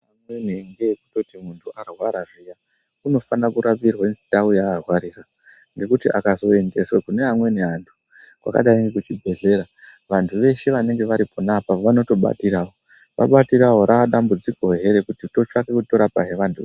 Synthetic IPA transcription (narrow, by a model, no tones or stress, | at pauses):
amweneŋɡekuto̞timuntʰuʔarwaɾaʐija | uno̞fanakuɾapirwanitaujaːrwaɾiːra | ŋɡe̞kutiʔa̰kazo̞e̞nde̞swakune̞ɦamwe̞niɦantʰu̥ | kwa̰ka̰ɗaiŋɡekut͡ʃibʱe̞ɮe̞ɾa | ʋantʰuʋe̞ʃe̞ʋane̞ŋɡe̞ʋaɾipʰonapaʋano̞to̞ɓa̰tiɾawo | ʋa̰ɓatiɾaɦo̞ɾaɗambud͡ziko̞ɦe̞ɾe̞kutito̞t͡ʂakekuto̞ɾapaɦe̞ʋantʰue